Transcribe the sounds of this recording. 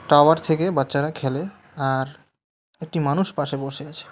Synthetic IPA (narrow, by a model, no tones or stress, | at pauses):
ʈawaɾt̪ʰekebatːɕaɾakʰele | aɾ | ek̚ʈimanuʃpaʃeboʃeat͡ɕʰe̥